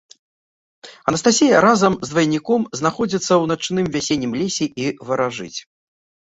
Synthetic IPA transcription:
ɐnɐst̪asʲijɐɾazɐmzd̪vɐjnʲːikɔmznaxɔd͡zʲit̪sːɐwnat͡ʂnɨmvʲasʲenʲːimlʲesʲiʔivɐɾaʐɨ̰t͡sʲ

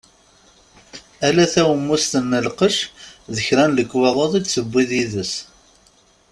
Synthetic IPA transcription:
ælæθæwəmːust̪əmːəlqəʃðəçɾænləkːweðˤɑðˤid̪səbʷːiðiðəs

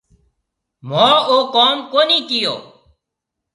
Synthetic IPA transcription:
mãːoːkoːmkoːniːkɪjo̰ː

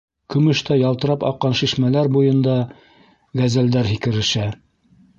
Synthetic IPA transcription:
kɵ̆mɵ̆ʃt̪æjɑlˠt̪ɤ̆ɾɑpɑ̰qːɑnʃiʃmælæɾbujɤ̆nd̪ɑ | ɡæzæld̪æɾɦikɘ̆ɾɘ̆ʃæ

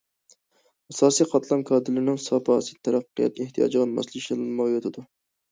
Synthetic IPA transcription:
ɑsɑːsijqʰɑt̪ʰlˠɑmkʰɑːd̪ɨlɪnɪŋsɑpʰɑːsɨt̪ʰæɾɑqːijɑ̰t̪eht̪ʰijɑ̰ːd͡ʒɨʁɑnmɑ̰slˠɨkʃɨlɨnmɑʁjot̪ʰɪd̪u

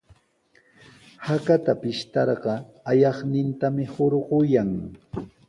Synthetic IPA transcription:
hakat̪apɪʃt̪ɑɾɢɑ | ajɑχnɪnt̪amɪhoɾɢʊjaŋ

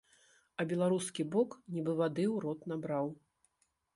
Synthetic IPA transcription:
ɐbʲɛlˠaɾuskʲibɔknʲibɨvad̪ɨwɾɔt̪nabɾaw

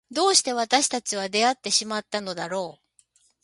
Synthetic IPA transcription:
d̪o̞ːɕi̥t̪e̞β̞at̪aɕi̥t̪at͡ɕiβ̞ad̪e̞at̪ːe̞ɕimat̪ːano̞d̪aɾo̞ː

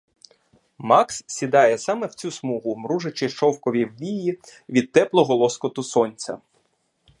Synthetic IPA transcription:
mɑkssʲid̪ɑjɛsɑmɛw̥t͡sʲusmuɦʊmɾuʒet͡ʃɪʃt͡ʃɔwkɔʋʲiwʋʲijiʋʲid̪̚t̪ɛplˠɔɦɔlˠɔskɔt̪ʊsɔnʲt͡sʲɐ̰

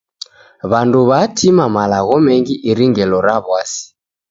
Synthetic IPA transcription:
βanduβatʰimamalaɣɔmɛŋɡiʔiɾiŋɡɛlɔɾaβwasi̥

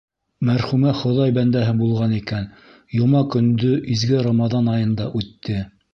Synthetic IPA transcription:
mæɾχʉmæχŏðɑjbænd̪æɦɘbulˠʁɑnikæn | jŏmɑkɵ̆nd̪ɵʔizɡɘɾɑmɑðɑnɑjɤ̆nd̪ɑʔʉt̪ːɘ

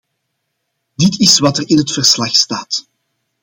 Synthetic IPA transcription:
dɪtɪswɑtərɪnɦətfərslɑxstaːt

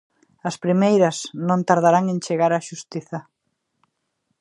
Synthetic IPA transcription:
ɐspɾimejɾɐsnõnt̪aɾð̞aɾaŋent͡ʃeɣaɾaʃust̪iθɐ

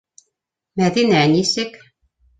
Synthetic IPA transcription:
mæðinænisɘk

